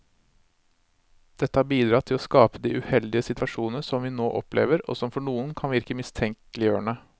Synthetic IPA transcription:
d̪̥ɛt̪ːəhɑɾbiːd̪ɾɑːt̪ʰɪlɔskɑːpəd̪iːʔʉhɛld̪ɪəsɪt̪ʋɑʂuːnnəsɔmʋiːnoːʔɔplḛːʋəɾɔ̰sɔmfɔɳuːənkʰɑnʋɪɾkəmɪst̪ʰɛŋklɪjøːɳə

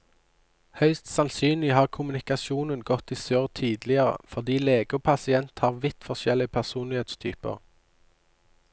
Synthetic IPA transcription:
hœʏst̪sɑnsyːnlɪhɑːʁkʰʊmʉnɪkɑsuːnənɡɔt̪iːsøːʁt̪ʰyːd̪lɪəʁə̰fɔʁd̪iːleːɡəpʰɑsɪɛnt̪hɑːʁʋɪt̪fɔʁʃɛlɪəpʰæʁsuːnlɪheːt̪st̪ʰy̰ːpə̰ʁ

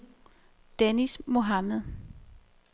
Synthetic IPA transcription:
d̥enismo̝ɦɑməðˠ

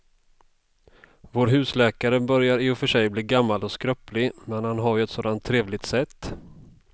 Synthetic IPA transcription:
voːɾɦʉ̟ːslɛːkaɾəbœɾjaɾɪʊfœʂɛjbliːɡamːalɔskɾœplɪmɛnhanɦajɛt̪soːd̪ant̪ʰːɾeːvlɪɡ̚t̪sɛt̪ː

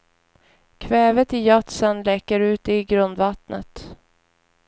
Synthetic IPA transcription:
kʰvɛːvət̪ɪjat̪sənlɛːkəɾʉ̟ːt̪̚d̪ɛɪɡɾɵnd̪vat̪nə̰t̪

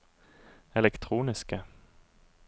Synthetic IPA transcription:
ɛlɛkt̪ʰɾuːnɪskə

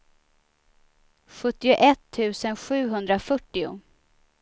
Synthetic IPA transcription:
ɧɵt̪ːɪʊʔɛt̪ʰːʉ̟ːsənɧʉ̟ːɦɵnd̪ɾafœʈːɪʊ̰

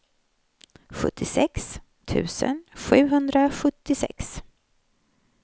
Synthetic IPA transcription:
ɧɵ̰t̪ʰːɪsɛks | t̪ʰʉ̟̰ːsə̰nɧʉ̟ːɦɵnd̪ɾaɧɵt̪ːɪsɛ̰ks

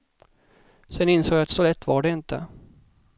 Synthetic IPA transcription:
sɛnɪnsoːɡjaat̪sɔlɛt̪ʰːvaɖɛɪnt̪ə̰

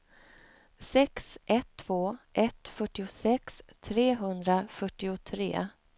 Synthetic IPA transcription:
sɛksʔɛt̪ʰːv̥oːʔɛt̪fœʈːɪʊsɛkst̪ʰɾeːɦɵnd̪ɾafœʈːɪʊt̪ʰɾḛː

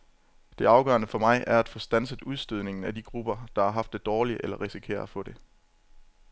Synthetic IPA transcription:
d̥e̝ɑ̈ʊɡ̥ɶ̰ɐnəfɒ̽mɑ̈ɪʔæɐæd̥fɔ̽ːsd̥ænsəðˠuð̞ˠsd̥øð̞̰ˠne̝ŋn̩æd̥iɡ̥ʁub̥ɐd̥ɑ̈ɑ̈ɦɑ̈fd̥e̝d̥ɒːliʔelɐʁisikʰe̝̰ːɐ̰ðˠfɔ̽ɾ̥e̝

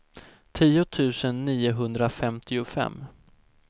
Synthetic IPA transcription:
t̪ʰiːʊt̪ʰʉ̟ːsənːiːʊɦɵnd̪ɾafɛmt̪ʰɪʊfɛ̰mː

